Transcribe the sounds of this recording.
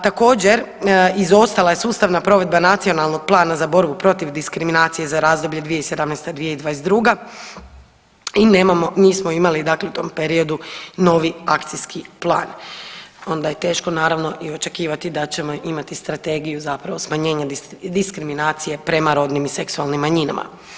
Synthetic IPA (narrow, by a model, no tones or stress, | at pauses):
t̪ako̞ːd͡ʑe̞ɾ | izo̞st̪alaje̞suːst̪aʋnapɾo̞ʋe̞d̪banat̪sio̞nalˠnoɡ̥̚plˠaːnazabo̞ɾbupɾo̞t̪iʋd̪iskɾiminaːt̪sije̞zaɾaːzd̪o̞blʎe̞d̪ʋijeised̪amnɛst̪ad̪ʋijeid̪ʋaːjed̪ɾuːɡa | inemamomiːsmo̞imalid̪akleut̪o̞ːmpe̞ɾio̞d̪uno̞ʋiakt̪sijskʰiplˠa̰ːn | o̞nd̪aje̞t̪e̞ːʃko̞naːɾaʋno̞ʔio̞t͡ʃe̞kiːʋat̪id̪at͡ɕe̞mo̞ʔimat̪ist̪ɾat̪e̞ɡijuzapɾaʋo̞smaɲe̞ːɲad̪iskɾiminaːt̪sije̞pɾe̞maɾo̞ːd̪nimise̞ksualˠnimːaɲina̰ma̰